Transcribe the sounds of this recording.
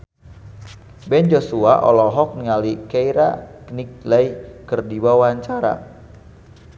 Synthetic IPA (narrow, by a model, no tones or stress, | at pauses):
bɛnd͡ʒosuaʔɔ̰lɔɦɔk̚niŋalikeiɾaknik̚lajkərdiwawaɲt͡ʃaɾa̰